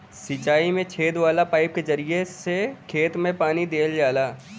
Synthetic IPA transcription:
sit͡ʃaːimẽt͡ʃʰeːd̪ʋaːlapaːɪp̚kezɐɾiesekʰeːt̪mẽpaːnid̪eːld͡ʒaːlaː

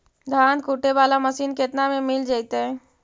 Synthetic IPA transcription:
d̪ʱaːnkuːʈebaːlaməsiːnket̪namẽmɪld͡ʒaːɪt̪eɦɛ̃ː

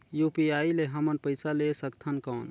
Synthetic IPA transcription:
jupiaileɦəmənpəɪsalesəkt̪ʰənkəːn

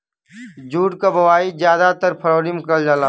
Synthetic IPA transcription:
d͡ʒuːʈkabɐʋaːizjaːd̪at̪əɾpʰəɾoːɾimɪkəld͡ʒaːlaː

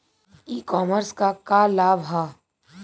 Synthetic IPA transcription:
iːkɔːməɾskakaːlaːbɦaː

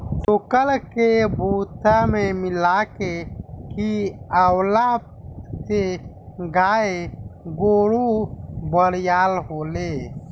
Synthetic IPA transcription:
t̪ukəlkebʱut̪amemɪlakekiəwla | t̪e | ɡaːeɡoːɽubəɽjaːlɦoːle

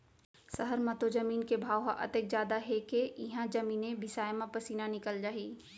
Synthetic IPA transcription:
səɦəɾmɐt̪od͡ʒɐmiːnkebʱaːwɦaʔɐ̰t̪ek̚d͡ʒjaːd̪aɦekeɪɦãd͡ʒɐmiːnẽbɪsaːjmãpɐsiːnanɪkəld͡ʒaːɦiː

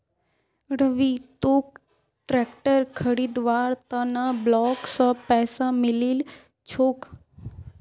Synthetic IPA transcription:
ɽəʋit̪oːk | ʈɾɛːkʈəɾkʰəɽiːd̪ʋaːɾt̪anablɔːksãpɛːsamɪlil | t͡ʃʰoːk

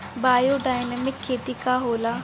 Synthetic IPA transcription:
baːjoːɖaːjnəmɪkʰːeːt̪iːkaːɦoːlaː

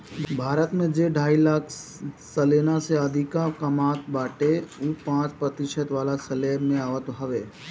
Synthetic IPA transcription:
bʱaːɾət̪mẽd͡ʒeɖʱaːilaːkʰ | səleːnaseɐd̪ʱɪkakəmaːt̪baːʈeupãːt͡ʃpɾət̪ɪʃət̪ʋaːlasɐleːmẽaːʋət̪ɦɐʋeː

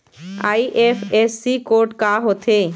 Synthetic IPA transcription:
a̰jʔefesːikoɾʈkaɦot̪ʰe

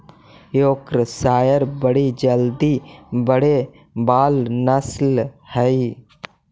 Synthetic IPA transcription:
joːkɾəsaːjəɾbəɽid͡ʒəld̪ibəɽe | baːlnəslhəi

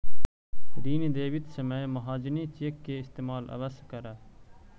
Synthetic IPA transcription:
ɾiːnid̪eːʋit̪sememɐɦaːd͡ʒɪnĩt͡ʃeːkːeːɪst̪eːmaːlɐ̰ʋɐskɐɾa

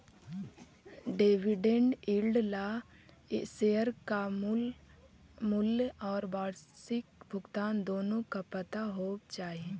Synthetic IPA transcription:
ɖeːʋɪɖẽɳɖilɖla | esejəɾka | mʊlɔːɾbaːɽsɪk̚bʱʊɡt̪aːnd̪oːnõkapət̪aɦoːt͡ʃaːɦie

